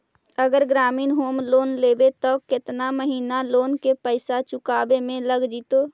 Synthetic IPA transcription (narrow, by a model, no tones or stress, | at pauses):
əɡəɾɡɾaːmiːnɦoːmloːnleːbet̪ɔkɪt̪naməɦiːnaloːnkepəɪsat͡ʃʊkaːbemẽləɡd͡ʒiːt̪oː